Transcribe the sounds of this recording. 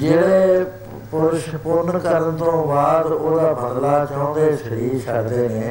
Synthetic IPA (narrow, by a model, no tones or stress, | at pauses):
d͡ʒeːɽeː | pʊɾʊʃpʊnkəɾənt̪õːbaːd̪oːd̪aːbʱənlaːt͡ʃɔ̃ːnd̪eːsəɾiːsəkd̪eːneː